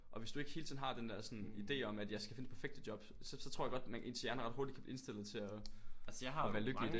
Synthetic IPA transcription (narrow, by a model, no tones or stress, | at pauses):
ʔɒ̽ʋe̝sd̥ue̝ɡ̥ə̥heːlt͡sʰḭðˠn̩hɑ̈d̥end̥ɛɐsɒ̽nid̥e̝̰ːɒ̽mæd̥jɑ̈ɪsɡ̥æfe̝nə̥pʰæɐfeɡ̥̚d̥ədjɒ̽b̥sɒsɒ̽t͡sʰoɐ̰jɑɡɒ̽d̥mæʔe̝̰nsjæɐnəʁɑ̈d̥hoɐdi̥kʰæb̥iensd̥e̝l̰ð̩ˠt͡sʰe̝ɒ | ʋæːɐløɡli̥d̥e